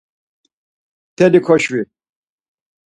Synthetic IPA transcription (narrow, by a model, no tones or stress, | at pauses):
t̪ʰɛlikʰɔʃwi